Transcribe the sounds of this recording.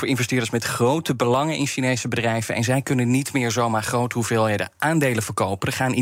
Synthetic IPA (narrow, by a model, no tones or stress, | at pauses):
ʊːɹɪnvɛstɪːɹdəɹsmɛtχrowtəbəlɑŋənʔɪnʃinejsəbədrɛjvənɛ̰nzɛjkɵnənːitmɪːɹzowmaːɹχrowtɦuveːlˠɦejdəʔaːndejləvəɹkowpənχaːn